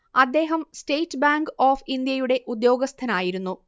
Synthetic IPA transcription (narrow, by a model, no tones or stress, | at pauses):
ɐd̪ːe̞ːɦɐmsteːjtːbaːŋɡoːfind̪jɐjuɽe̞ʔud̪jo̞ːɡɐst̪ʰɐnaːjiɾunːu